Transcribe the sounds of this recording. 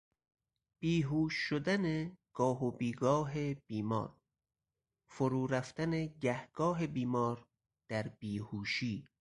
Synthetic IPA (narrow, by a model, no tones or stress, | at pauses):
b̥iːɦuːʃːod̪æneɡ̥ɒːɦobiːɡɒːɦeb̥iːmɒ̰ːɾ | foɾuːɾæft̪æneɟæhɡ̥ɒːɦe̞biːmɒːɾ | d̪̥æɾb̥iːhuːʃiː